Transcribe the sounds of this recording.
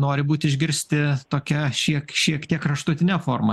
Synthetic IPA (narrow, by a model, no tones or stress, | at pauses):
noːɾʲɪbuːt̪ʲɪʒʲɡʲɪɾʲsʲt̪ʲɪt̪oːkʲɛʃʲiɛkʃʲiɛkt̪ʲiɛkɾɐʃt̪ʊt̪ʲɪnʲɛfoːrmɐ